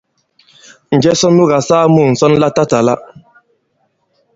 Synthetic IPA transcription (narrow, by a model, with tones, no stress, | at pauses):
n̩˨d͡ʒɛ˦sɔ˦nu˦ɣa˨saː˦mu˨n̩˨sɔ˦n˦la˦ta˦ta˨la̰˦